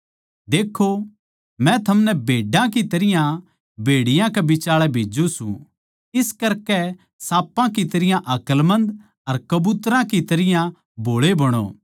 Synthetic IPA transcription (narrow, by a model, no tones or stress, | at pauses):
d̪eːkʰo | mɛ̃t̪ʰɐmnɛbʱeːɖãkit̪ɐɾɪjã | bʱeːɽɪjãkɛbɪt͡ʃaːɭɛbʱeːd͡ʒũsṵ̃ | ɪskɐɾkɛ | saːpːãkit̪ɐɾɪjãʔɐkəlmɐ̃nd̪ | ɐɾkɐbuːt̪ɾãkit̪ɐɾɪjã | bʱoːɭebɐɽ̃o̰ː